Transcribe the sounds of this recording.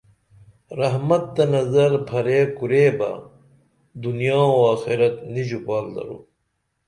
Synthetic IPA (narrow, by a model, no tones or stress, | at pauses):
ɾɐɦmɐt̪̚ːɐnɐzɐɾbʱʰɐɾeːkuɾeːbɐ̰ | d̪unijãːoaːxiɾɐt̪nid͡ʑupaːld̪ɐ̰ɾṵː